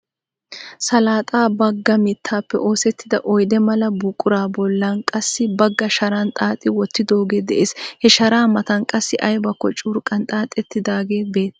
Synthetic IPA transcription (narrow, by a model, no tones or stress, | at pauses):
sɐlaːt̪ʼaːbɐɡːɐmɪt̪ʰːaːpːɛ̰ʔo̞ːsɛt̪ːɪd̪ɐʔɔjd̪ɛmɐlɐbʊkʼːʊɾaːbɔlːɐnkʼɐsːɪbɐɡːɐʃɐɾɐnt̪ʼaːt̪ʼːɪwɔt̪ːɪd̪o̞ːɡe̞ːd̪ɛʔeːshɛʃɐɾaːmɐt̪ɐnkʼɐsːɪʔɐjbɐkːɔt͡ʃʼuːɾkʼɐnt̪ʼaːt̪ʼːɛt̪ːɪd̪aːɡe̞ːbeːt̪